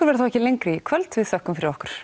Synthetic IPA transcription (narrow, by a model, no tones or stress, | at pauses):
ʏɾvɛɾ̥θawɛhcɪlejŋkɾɪikʰvœlt̪vɪðsœhkʏmfɪɾɪɾɔhkʏɾ̥